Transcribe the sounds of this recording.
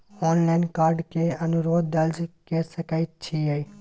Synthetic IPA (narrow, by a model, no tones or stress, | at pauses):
ɔːnlaːɪnkaːɾɖkeɐnʊɾoːd̪̚ːɐld͡ʒkɛsəkaːit͡ʃʰiɦei